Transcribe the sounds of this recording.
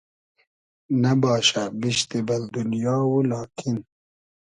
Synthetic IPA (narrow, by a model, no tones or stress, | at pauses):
nɐbɑːʃabiʃt̪ebɐld̪unjɑːwulɑːkʰin